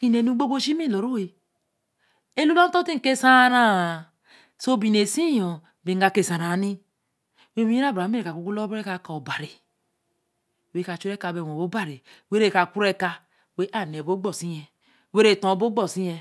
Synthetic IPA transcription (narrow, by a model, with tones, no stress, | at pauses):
ki˦˨ne˨nu˦ɡ͡bo˦bo˦ʃi˦mi˦lo˨ɾu˦we˨ | e˦lu˦la˦n˦to˦ti˦˨ke˦sa˦ɾa˦˨ | so˦bi˨ne˨si˦jɔ˨ | bi˨˦ɡa˨ke˦˨sã˨ɾa˨˦ni˦ | we˦i˦i˦a˦˨bɾa˨˦me˦ɾe˨ka˨ku˨˦ku˦lo˦bɾe˦ka˨kːba˨ɾi˨ | we˦ka˨t͡ʃu˦ɾe˦ka˨be˨wo˨bo˨˦ba˦˨ɾe˨we˦ɾe˦˨ka˨ku˦ɾe˦ka˧ | we˦ʔa˨n˨e˨bo˦ɡ͡bɔ˦˨si˦ɛ˨ | we˦ɾe˦˨tɔ̃˨˦bo˦ɡ͡bɔ˨si˦jɛ˧